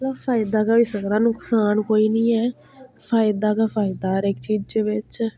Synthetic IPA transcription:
kaːpʰaːd̪aːkaːʋiːsəɡɾãːnʊksaːnkoːiːnĩːɛː | pʰaːɪd̪aːkapʰaːɪd̪aːɾɪkt͡ʃiːd͡ʒd͡ʒeːʋɪt͡ʃ

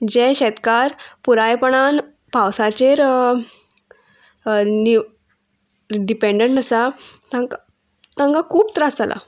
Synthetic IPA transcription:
d͡ʑeɕɛt̪kaɾpuɾajpəɳ̃an | pawsat͡ɕeɾ | ni | ɖipeɳɖəɳʈəsat̪ãŋka | t̪ãŋkakʰuːpt̪əɾasala̰

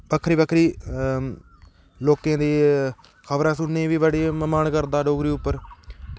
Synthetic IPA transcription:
bəkʰːɾiːbəkʰɾiː | loːkãːd̪eː | kʰəʋɾãːsʊnːẽːʋiːʋəɽeːməmaːnkəɾd̪aːɖoːɡɾiːʊpːəɾ

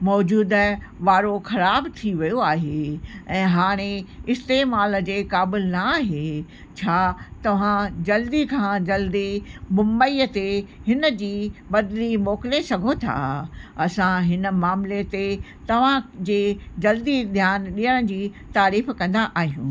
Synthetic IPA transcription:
mɔːd͡ʑuːd̪ | ʋaːɾoxɐɾaːbt̪ʰiʋijoaːɦeɛ̃ːɦaːɽ̃eɪst̪eːmaːld͡ʑeːkaːbɪlnɐaːɦe | t͡ɕʰaːt̪ɐʋ̤ãd͡ʑɐld̪ikʰãːd͡ʑɐld̪imʊ̃mbəiːət̪ehɪnə̆d͡ʑiːbɐd̪ɪlimɔːkɪlesɐɡʱot̪ʰa̰ɐsãɦɪnə̆maːmlet̪e | t̪ɐʋ̤ãd͡ʑeːd͡ʑɐld̪id̪ʱjaːnɗiːəɽ̃d͡ʑiː | t̪aːɾiːfkɐ̃nd̪aʔaːɦijũː

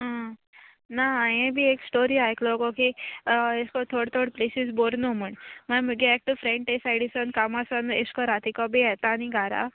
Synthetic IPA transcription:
ɦã | naajẽbʱieksʈoɾiajklɔkɔkieskɔt̪ʰoɽt̪ʰoɽplesisboɾnom̤əɳmamuɡeɛk̚ʈəfɾeɳʈesajɽisənkamasaneskɔɾat̪ʰikɔbijɛt̪aːniɡʱaɾa̰

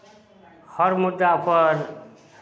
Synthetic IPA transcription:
hʰʌɾmud̪ːapʰʌɾ

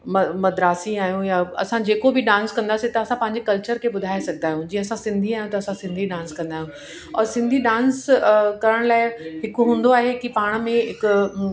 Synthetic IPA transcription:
mɐmɐd̪ɾaːsiaːɦijũjaɐ̰sãd͡ʑeːkobɪɗãːnskɐ̃nd̪aːsit̪ɐɐsãpɐ̃ɦɪ̃ɲd͡ʑekɐlt͡ɕəɾkʰeɓʊd̪ʱaːesɐɡʱənaːɦijũd͡ʑiːə̃ɐsãsɪ̃nd̪ʱiaːɦijũt̪ɐɐsãsɪ̃nd̪ʱiɗãːnskɐ̃nd̪aːɦijũ | ɔːɾsɪ̃nd̪ʱiɗãːnskɐɾəɽ̃laːɪɦɪkʊɦũːnd̪oaːɦekipaːɽ̃mẽɦɪkʊ

